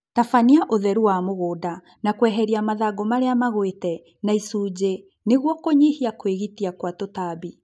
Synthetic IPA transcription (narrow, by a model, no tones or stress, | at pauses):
tafaniaʔoðɛɾuwamoɣoːda | nakwɛɦɛɾiamaðaɡomaɾeamaɣwetɛ | naisuːd͡ʑe | neɣwɔkoɲihiakweɣitiakwatotabi